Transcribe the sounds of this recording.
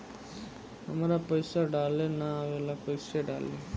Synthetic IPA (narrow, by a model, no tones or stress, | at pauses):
ɐmɐɾapɐjsaɖaːlenaʋelapɐjseɖa̰ːle